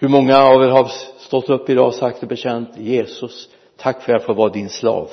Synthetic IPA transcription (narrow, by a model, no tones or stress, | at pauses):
hɵɾmɔŋːaːvɛɦaɾst̪ɔt̪ːɵpːɪd̪ɑ̰ːsak̚t̪ɔbɛɕɛnt̪jeːsɵs | t̪ʰːakːfœɾjafɔvɑːd̪ɪnslɑ̰ːv